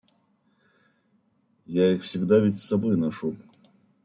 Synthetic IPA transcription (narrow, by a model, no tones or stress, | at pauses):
jaixfsʲɪɡd̪avʲɪtʲsːɐbojnɐʂu